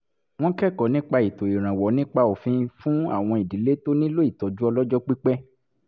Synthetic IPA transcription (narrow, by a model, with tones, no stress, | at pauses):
w̃ɔ̃˦kɛ˦˨kɔ˨˦nĩ˦k͡pa˧i˨to˨i˨ɾ̃ã˨wɔ˨˦nĩ˦k͡pa˧o˨fĩ˧fũ˦a̰˦˨w̃ɔ̃˧i˨di˨˦le˦to˦nĩ˦lo˦i˦˨tɔ˨d͡ʒu˦ɔ˧lɔ˦d͡ʒɔ˦k͡pi˦k͡pɛ˦